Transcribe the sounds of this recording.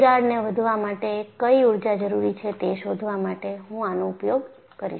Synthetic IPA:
ɡaɽneʋəd̪ʱʋamaʈekəiuɽd͡ʒad͡ʒəɾuɾit͡ʃʰet̪eʃod̪ʱʋamaʈeɦũanõʊpjoɡ | kəɾḭʃ

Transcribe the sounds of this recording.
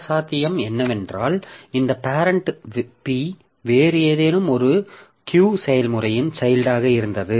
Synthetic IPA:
saːt̪ːɪjɐmɛnːɐʋɛndraːlɪnd̪ɐpaːɾɐɳʈpi | ʋeːrɪjɐðeːnɯmɔɾɯ | kjuːsɛjɐlmɯrɐjɪnt͡ʃɐjlɖaːɣɐɪɾɯnd̪ɐðɯ

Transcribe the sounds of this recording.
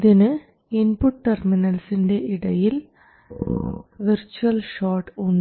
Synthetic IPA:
ðɪnɯ | ɪnpuʈːɐɾmɪnɐlsɪnɖeʔɪɽɐjɪl | ʋɪɾt͡ʃuɐlʃaːʈʊnː

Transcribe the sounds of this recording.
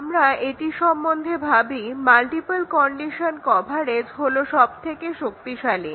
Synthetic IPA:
mɾaeʈiʃɔmːond̪ʱebʱabimalʈipalkɔɳɖiʃonkɔbʱaɾed͡ʑɦoloʃɔb̚t̪ʰekeʃok̚t̪iʃali

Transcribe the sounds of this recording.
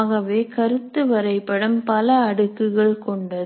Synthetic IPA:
ɣɐʋeːkɐɾɯt̪ːɯʋɐɾɐɪpːɐɽɐmpɐlɐːɽɯkːɯɣɐɭkɔɳɖɐð

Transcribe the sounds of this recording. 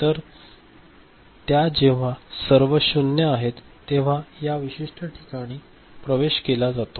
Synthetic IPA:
t̪əɾ | t̪jad͡ʑeʋ̤asəɾʋəɕunːjəaɦet̪ːeʋ̤ajaʋiɕiʂʈʰəʈʰi̥kaɽ̃iː | pɾəʋeɕkelad͡zat̪o

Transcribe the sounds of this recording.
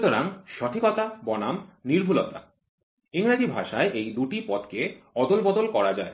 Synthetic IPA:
t̪oɾaŋʃɔʈ̪ʰikɔt̪abɔnamniɾbʱulot̪a | iŋɾad͡ʑibʱaʃaeʔejd̪uʈipɔt̪keɔd̪olbɔd̪olkɔɾad͡ʑae

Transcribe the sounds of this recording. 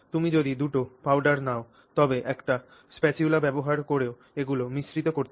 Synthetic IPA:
t̪umid͡ʑod̪id̪uʈopawɖaɾnao | t̪ɔbeʔɛkʈa | spɛt͡ɕiulabɛboɦaɾkoɾeo | eɡulomiʃɾit̪okoɾt̪ʰ

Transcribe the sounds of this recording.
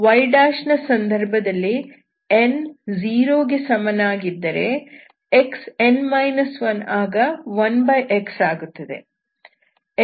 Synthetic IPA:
ʋɐjɖaːʂnɐsɐnd̪ʱɐɾbʱɐd̪ɐlːi | end͡ʒiːɾoːɡesɐmɐnaːɡid̪ːɐɾe̞ | eksenmɐjnɐsʋɐnaːɡɐʋɐnbɐjʔeksaːɡut̪ːɐd̪e̞̰

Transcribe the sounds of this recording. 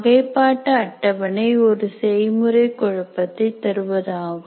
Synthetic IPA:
ɣɐɪpːaːʈːɐːʈːɐʋɐnɐɪɔɾɯsɛjmɯɾɐɪkɔɻɐpːɐt̪ːɐɪt̪ːɐɾɯʋɐðaːɣɯ

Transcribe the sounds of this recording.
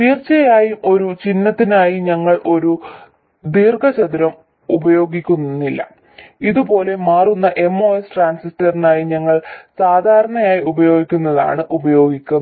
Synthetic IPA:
piːrt͡ɕɐjaːjumʔo̞ɾut͡ɕinːɐt̪ːinaːjiɲɐŋːɐɭʔo̞ɾu | d̪iːrɡɐt͡ɕɐðiɾɐm | ubɐjo̞ːɡikʲːunnːilːɐ̰ | iðubo̞ːle̞maːrunːɐʔe̞mːo̞ːesʈraːnsistɐrinaːjiɲɐŋːɐɭsaːd̪ʱaːɾɐɳɐjaːjiubɐjo̞ːɡikʲːunːɐða̰ːɳɨʔubɐjo̞ːɡikʲːun

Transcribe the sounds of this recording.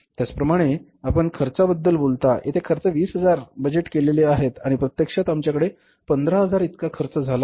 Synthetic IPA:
t̪jat͡spɾəmaɽ̃e | apəɳkʰəɾt͡sabəd̪ːəlbolt̪ajḛt̪ʰekʰəɾt͡səʋiːsɦəd͡zaɾbəd͡ʑeʈkeleleaɦet̪aɽ̃ipɾət̪jəkʂat̪amt͡ɕjakəɽe | pənd̪ɾaɦəd͡zaɾit̪kakʰəɾt͡səd͡zʱala

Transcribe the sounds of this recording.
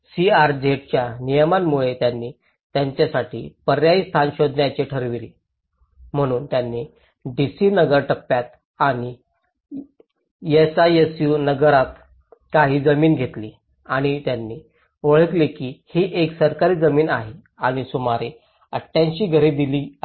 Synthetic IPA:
siaɾd͡ʑeʈt͡ɕjanijəmanmuɭet̪janːiː | t̪jaɲt͡ɕjasaʈʰḭːpəɾjaist̪ʰanɕod̪njat͡ɕeʈʰəɾʋiɾi | m̤əɽ̃uːnt̪janːiː | ɖisiːnəɡəɾʈəpːjat̪̚ | aɽ̃i | jesaesjunəɡəɾat̪ | kaɦiːd͡zəmiːnɡʱet̪liː | aɽ̃it̪janːiː | ʋəɭ̤ət̪lekiːhiːʔeksəɾkaɾiːd͡zəmiːnaɦe | aɽ̃isumaɾe | əʈʰːjãɲt͡ɕiːɡʱəɾid̪iliː

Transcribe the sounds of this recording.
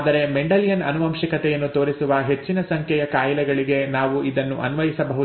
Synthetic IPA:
d̪ɐɾe̞meɳɖɐljɐnɐ̰nuʋɐmʃɐkɐt̪ɛjɐnːut̪o̞ːɾisuʋɐɦe̞t͡ʃːinɐsɐŋkʰjɛjɐkaːjɐlɛɡɐɭiɡe̞naːʋuʔid̪ɐnːuʔɐnʋɐjisɐbɐɦu

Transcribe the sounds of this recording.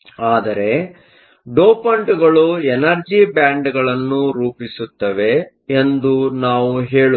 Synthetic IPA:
aːd̪ɐɾe̞ | ɖoːpɐɳʈɡɐɭuenɐɾd͡ʒibaːɳɖɡɐɭɐnːuɾuːpisut̪ːɐʋe̞ː | nd̪unaːʋuɦe̞ːɭu

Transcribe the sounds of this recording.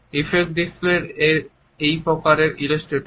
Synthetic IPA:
ifek̚ɖispleɾe | ejpɾɔkaɾeɾilesʈɾeʈ

